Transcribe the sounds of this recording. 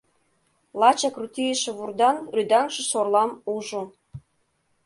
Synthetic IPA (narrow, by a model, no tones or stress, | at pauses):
lˠɑt͡ɕɑkrut̪ʲijəʃĕβurd̪ɑnrʲyd̪ɑŋʃĕʃorlɑmuʒu